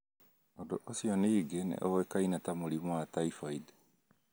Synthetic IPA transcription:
ondoʔosiɔniːɡenḛʔɔwɛkainatamoɾimwataifaide

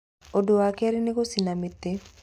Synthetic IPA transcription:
odoakeɾɪnɪkosinamɪt̪ːe

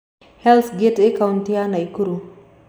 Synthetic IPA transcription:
hɛlθɡetɛkawntianajkuɾu

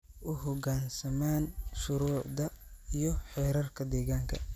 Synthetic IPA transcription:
ʔʊɦɔɡaːnsɐmaːnʃʊɾuːʕd̪ɐijɞħɛːɾɐrkʰɐd̪ɛːɣaːŋkʰɐ̰

